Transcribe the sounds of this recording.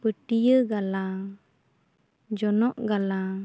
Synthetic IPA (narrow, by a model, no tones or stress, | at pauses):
pəʈijəɡala | d͡ʒɔnɔʔɡala